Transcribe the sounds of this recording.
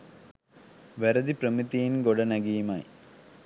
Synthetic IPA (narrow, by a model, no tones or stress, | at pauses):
ʋɐɾɐd̪ipɾɐmit̪ːijinɡoɽɐnɐɡijmaj